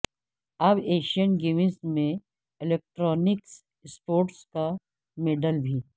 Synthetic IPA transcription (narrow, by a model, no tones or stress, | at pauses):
ɐbeːʃiənɡeːmɪsmẽ | ɪleːk̚ʈɾɔːnɪks | spoːɾʈska | meːɖəlbʱiː